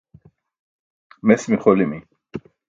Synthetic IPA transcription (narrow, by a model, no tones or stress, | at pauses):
mɛsmiχɔlimi